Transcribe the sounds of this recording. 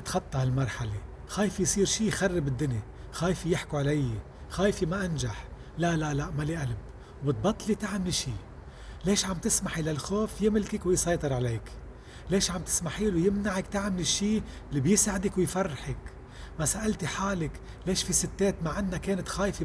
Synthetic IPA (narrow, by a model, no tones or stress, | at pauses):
t̪xɑt̪ˤːɑhalmɑɾˤħale | xaːjfjsˤiːɾʃiːjxarːɪbɪd̪ːɪnji | xaːjfjɪħkuʕalajːi | xaːjfimaʔanʒaħ | lalaʔlaʔmaliʔalɪb | wbɪt̪̚bɑt̪ˤːlit̪aʕmɪlʃiː | leːʃʕamt̪ɪsmaħilalxoːfjɪmlkɪkwɪjsˤɑjt̪ˤɨɾˤʕalaːk | leːʃʕambt̪ɪ̥smaħiːlujɪmnaʕɪkt̪aʕmɪlɪʃːiː | lːibjɪsʕɪd̪ɪkwɪjfɑrˤːħɪk | masaʔalt̪iħaːlɪk | leːʃfisɪt̪ːeːt̪maʕʔɪnːakeːnɪt̪xaːjfi